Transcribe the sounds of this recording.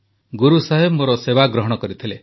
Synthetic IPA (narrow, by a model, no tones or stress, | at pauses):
ɡuɾusaɦebmoɾɔsebaɡɾɔɦɔɽ̃ɔkɔɾit̪ʰile